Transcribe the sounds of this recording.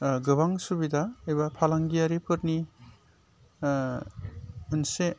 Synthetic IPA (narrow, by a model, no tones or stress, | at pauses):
ɡɯβaŋsubidaejbapʰalaŋɡijaɾipʰɯɾni | ɯnse